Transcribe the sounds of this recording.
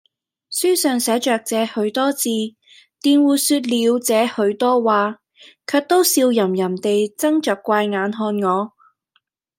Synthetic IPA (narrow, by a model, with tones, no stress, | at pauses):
syː˥sœː˨ŋsɛː˨˥t͡ʃœː˨k̚t͡sɛː˨˧hɵ˨˥ɥt̪ɔː˥t͡siː˧ | t̪iː˨˧nwuː˨˧syː˧t̚liː˨˧wt͡sɛː˨˧hɵ˨˧˥ɥt̪ɔː˥waː˨ | kʰœː˧k̚t̪o˥wsiː˧wjɐ˨˩mjɐ˨˩mt̪e˨jt͡sɐ˥ŋt͡ʃœː˨kʷːaː˧jŋaː˨˧nɦɔː˧nŋɔː˨˧